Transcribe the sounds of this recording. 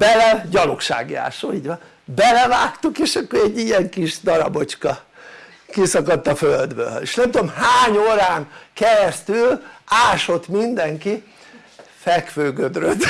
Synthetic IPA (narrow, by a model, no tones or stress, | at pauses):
b̥ɛlɛɟɒlokʃa̰ːɡia̰ːʃo̰ːiːɟʋɒn | bɛlɛvaːkt̪ukeːʃɒkːoɾɛɟːijɛŋkiʒd̪ɒɾɒ̰bo̞t͡ʃkɒ | kisɒkɒt̪ːɒføld̪bø̰lḛːʃnɛmt̪uomɦaːɲoːɾaːŋkɛɾɛst̪ylaːʃo̞t̪mind̪ɛŋki | fɛkføːɡød̪røt̪